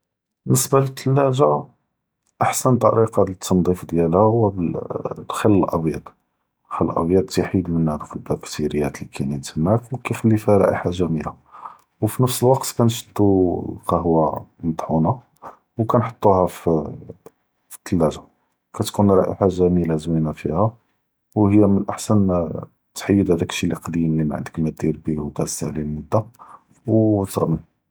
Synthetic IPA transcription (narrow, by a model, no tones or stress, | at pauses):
bənːəsbalət̪ʰːəlːæʒa | ʔaħsənt̪ˤːɑɾiqɑlət̪ʰːənd̪ˤifd̪jælhæhʊwːæblxəlːəlʔɑ̰bjɑ̰d̪ˤ | xællʔɑ̰bjɑd̪̚ˤt̪iħid̪mənːæd̪ufilbækt̪iɾəjːæt̪likʰænit̪həmhækwkæjxəlːifæɾˤɑ̰ʔḭħaʒæmila̰ | wfinəfsəlwɑqt̪kænʃə̥t̪ːuqɑhwæmət̪ˤħuna | wkænħo̥t̪ˤːuhæf | fə̥t̪ʰːəlːæʒa | kæt̪kunɾˤɑʔḭħaʒæmilazwinafihæ | whəjːæmənʔaħsæn | t̪ħəjːəd̪hæd̪ækʃiliqd̪imlimaʕənd̪əkmæd̪iɾbiwkæt̪st̪aʕlilmʊd̪ːa | wt̪ɣmən